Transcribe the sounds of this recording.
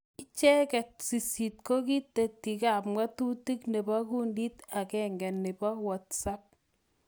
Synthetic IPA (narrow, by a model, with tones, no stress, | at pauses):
ɪ˦t͡ʃɛ˦kɛ˨t̚si˨si˨t̚ko˦ki˦te˨tːi˨ka˨p̚mwa˦tu˦ti˦kne˨bɔ˦ku˦ndi˦ta˨kɛ˨ŋɡɛ˨nːɪ˨bɔ˦wa˦tsa˦p̚